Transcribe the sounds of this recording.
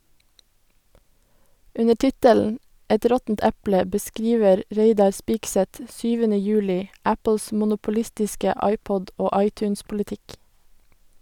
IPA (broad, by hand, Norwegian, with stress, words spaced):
ˈʉnə ˈʈɪtəln̩ ˈɛt ˈɾɔtn̩t ˈæplə bəˈskɾiːʋəɾ ˈɹeɪdɑɾ ˈspiːksɛt ˈʃyːʋənə ˈjʉːlɪ ˈæpl̩s ˌmʊnʊpʊˈlɪstɪskə ˈɑɪˌpɔd ˈoː ˈɑɪˌtʉːnspʊlɪˌtɪk